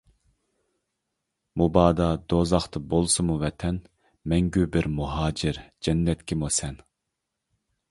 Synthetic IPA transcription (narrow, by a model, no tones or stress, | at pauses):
mubɑːd̪ɑd̪̥ozɑχt̪ʰɨbolˠsɨmuvɛt̪ʰɛn | mɛŋɡʲybɪɾmuɦɑːd͡ʒɪɾd͡ʒɛnːɛt̪kʲimusɛn